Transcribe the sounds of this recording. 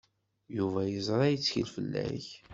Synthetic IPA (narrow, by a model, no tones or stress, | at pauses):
juvæjəzˤɾˤɑjət͡sːçə̰lfəlːæ̰ç